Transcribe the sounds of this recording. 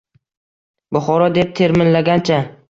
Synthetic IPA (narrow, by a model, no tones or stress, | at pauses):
bʊχɒɾɒd̪e̞p̚t̪ʰe̞ɾmɪnlaɡʲant͡ʃʰa